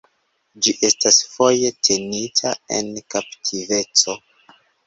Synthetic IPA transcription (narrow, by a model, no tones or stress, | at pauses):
d͡ʒiʔe̞stasfo̞je̞tʰe̞nitʰae̞̰nkaptʰive̞t͡so̞